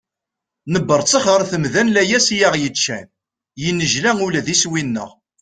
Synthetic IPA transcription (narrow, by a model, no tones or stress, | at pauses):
nəbːəɾˤt͡sˤːəχʁəɾθəmðænlæjæsjaʁjət͡ʃːæ̰n | jənːəʒlæŋulæðiswinːə̰ʁ